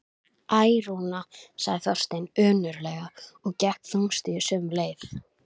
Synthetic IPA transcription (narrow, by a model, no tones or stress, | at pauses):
aːjɾunasaɣðɪθɔr̥st̪ejnœːnʏɾlɛɣaɔɣcɛhkθumst̪ɪʏsœːmleːjθ